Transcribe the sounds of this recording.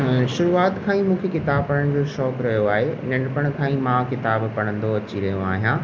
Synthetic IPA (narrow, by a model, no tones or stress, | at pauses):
ʃʊɾuaːt̪kʰãːĩmũːkʰekɪt̪aːbpɐɽəɽ̃d͡ʑoːʃɔːkɾɐɦijoaːɦenɐɳɖpəɽ̃kʰãːĩmãkɪt̪aːbpɐɽ̃ə̃nd̪oɐt͡ɕiɾɐɦijõa̰ːɦijãː